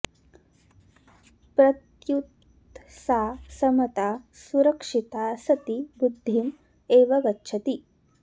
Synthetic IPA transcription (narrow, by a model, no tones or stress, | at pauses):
pɾɐk | jut̪ | saːsɐmɐt̪aːsuɾɐkʂit̪aːsɐt̪ibud̪ʱːim | eːʋɐɡɐtːʃʰɐt̪i